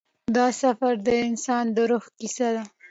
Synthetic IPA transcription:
d̪ɑsafaɾd̪əɪnsɑnd̪əɾoxkisad̪a

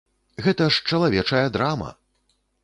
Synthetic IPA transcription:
ɣɛt̪ɐʂt͡ʂɐlˠavʲɛt͡ʂɐjɐd̪ɾamɐ̰

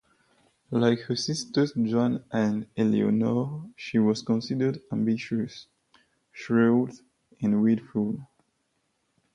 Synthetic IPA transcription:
lajkhə˞sistə˞d͡ʒɔ̃nʔæ̃nɛlḭɔ̰nɔʃiwɔz̥kɔ̃nsidə˞dãmbiʃəs | ʃɹut | ɛ̃nwidful

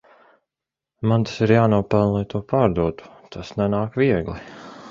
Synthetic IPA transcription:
mant̪ḁsiɾjaːnuɔpælˠnlˠajt̪uɔpaːɾd̪uɔt̪u̥t̪ʰasnɛnaːkʋiɛɡlˠi

